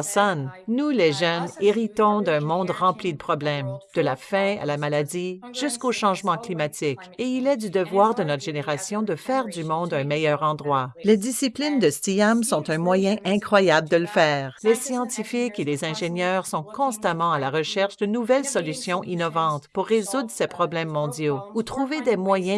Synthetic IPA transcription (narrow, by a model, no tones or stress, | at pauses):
sɔnːuleʒœneʁit̪ɔ̃d̪ɛ̃mɔ̃d̪ʁɑ̃plid̪əpχɔblɛmd̪̥əlafɛ̃a̰lamalad̪iʒ̥yskoʃɑ̃ʒmɑ̃klimat̪ik | eilɛd̪yd̪əvwaːʁd̪ənɔt̪χʒeneʁasjɔ̃d̪əfɛːʁd̪ymɔ̃d̪ɛ̃mɛjœʁɑ̃d̪ʁwaled̪isiplind̪əst̪iamsɔ̃t̪ɛ̃mwajɛ̃ʔɛ̃kχwajabləd̪ələfɛːʁlesjɑ̃t̪ifikelezɛ̃ʒeɲjœːʁsɔ̃kɔ̃st̪amɑ̃alaʁəʃɛʁʃd̪ənuvɛlsɔlysjɔ̃ʔinɔvɑ̃t̪puʁːezud̪ʁəsɛpχɔblɛmːɔ̃d̪jout̪χuved̪ɛmwajɛ̃